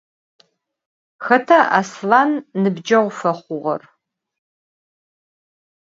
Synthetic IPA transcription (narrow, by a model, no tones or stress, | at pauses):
xɐtʰɐʔa̰slanːɨbd͡ʒɐʁʷfɐχʷʊʁɐ̰r